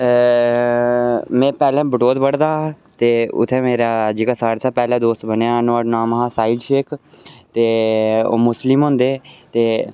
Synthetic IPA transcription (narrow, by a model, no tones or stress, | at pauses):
mɛ̃ːpɛːlɛ̃ːbəʈoːd̪bəɽd̪aː | t̪eːʊ̰t̪ʰːẽːmeːɾaːd͡ʒeːkaːsaːɾt̪ʰaːpɛːlɛ̃ːd̪oːst̪bənjaːnõːəɖnaːmɦãːsaːiːlʃeːk | t̪eːo̰ːmʊslɪmɦʊ̃nd̪eːt̪eː